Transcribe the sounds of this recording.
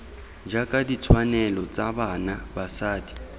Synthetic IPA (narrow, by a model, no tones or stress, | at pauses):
d͡ʒakʼadit͡sʰwanɛlɔt͡sʼabanabasaːdi̥